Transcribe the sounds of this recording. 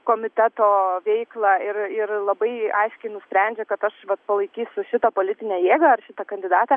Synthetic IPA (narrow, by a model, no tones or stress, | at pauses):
koːmʲɪt̪ʲæt̪oːʋʲɛɪklˠɑɪɾɪrlˠɐbɐɪɐɪʃʲkʲɛɪnʊsʲpʲɾʲɛnʲd͡ʒʲɛkɐt̪ɐʃʋɐt̪̚pɐlˠɐɪkʲiːsʲʊʃʲɪt̪ɐpoːlʲɪt̪ʲɪnʲæːjeːɡɐɐrʃʲɪt̪ɐkɐnʲd̪ʲɪd̪ɑːt̪ʲɐ